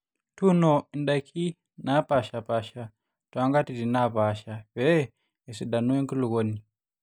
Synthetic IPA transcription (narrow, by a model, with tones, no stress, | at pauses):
tu˦no˨i˨nda˨kʰi˦ | na˦pa˨ʃa˨pa˦ʃa˨ | twa˦ŋɡa˦ti˨ɾi˨na˦pa˨˦ʃaβɛ˦ | e˨si˨ɗa˨nu˦we˦ŋku˦lu˨ɣoː˦ni˨